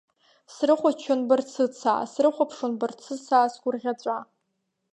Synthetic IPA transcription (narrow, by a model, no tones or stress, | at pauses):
srɨχʷat͡ʃʰonbɨrt͡sʰɨt͡sʰa̰ːsrɨχʷapʰʂonbɨrt͡sʰɨsaːsɡʷʊrʁʲat͡ɕʷʼa